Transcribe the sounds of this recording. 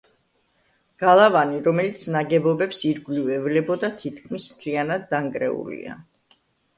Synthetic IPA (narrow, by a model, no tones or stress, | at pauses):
ɡ̥alˠavaniɾɔmɛlit̪sʰnaɡɛbɔbɛpsiɾɡlivɛvlɛbɔd̪at̪ʰit̪̚ʰkʰmismt̪ʰlianad̪ːaŋkʼɾɛ̰ṵlḭa̰